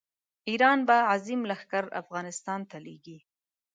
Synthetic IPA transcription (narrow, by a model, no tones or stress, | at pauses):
iɾɑnbaazimlaxkaɾa̰fɣɑnɪst̪ɑnt̪alḛɡi